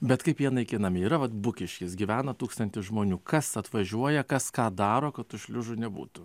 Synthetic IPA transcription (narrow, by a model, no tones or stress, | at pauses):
bʲɛt̪kɐɪpjiɛnɐɪkʲɪnɐmʲɪiːɾɐʋɐt̪bʊkʲɪʃʲkʲɪsɡʲiʋʲæːnɐt̪uːkst̪ɐnʲt̪ʲɪsʒmoːnʲuːkɐsɐt̪ʋɐʒʲuɔjɛkɐskɑːd̪ɑːɾoːkɐtt̪ʊʃʲlʲʊʒʊnʲɛbṵːt̪ʊ